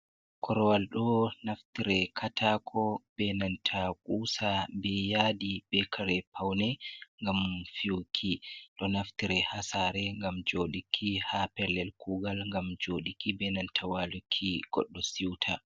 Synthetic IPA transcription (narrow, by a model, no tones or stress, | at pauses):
kʰɔɾɔwalɗɔnaftiɾɛkʰatʰakʰɔb̥ɛnantʰakʼuːsabɛjadib̥ɛkʰaɾɛpʰawnɛŋɡamfiwkʰːiɗɔnaftiɾɛhasaɾɛŋɡamd͡ʒoɗikʰːihapɛɾlɛlkʰuːɡalŋɡamd͡ʒoɗikːibɛnantʰawalukʰːiɡ̥ɔ̰ɗːɔsiwtʰa